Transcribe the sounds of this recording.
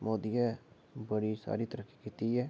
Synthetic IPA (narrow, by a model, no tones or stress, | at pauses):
moːd̪iːɛː | bəɽiːsa̰ːɾiːt̪əɾəkːikiːt̪iːɛː